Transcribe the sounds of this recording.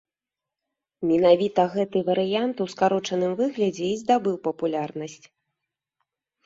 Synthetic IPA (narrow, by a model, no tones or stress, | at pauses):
mʲɛn̪avʲit̪ɐɣɛt̪ɨvɐɾɨjant̪uskaɾɔt͡ʂɐnɨmvɨɣlʲɐd͡zʲɛizd̪abɨwpɐpulʲarnɐsʲt͡sʲ